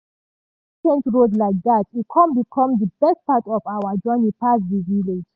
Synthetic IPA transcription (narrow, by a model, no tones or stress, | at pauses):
t͡ʃɛ̃ntɹodlaɪk̚ðatikʰɔ̃mbikʰɔ̃mdəbɛst̚patɔvawəd͡ʒɔnĩpas̬diviled͡ʒ